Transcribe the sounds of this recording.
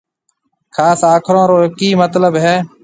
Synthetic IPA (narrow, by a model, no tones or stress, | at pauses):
kʰaːsaːkʰɾõːɾoːkiːmət̪ləbɦɛː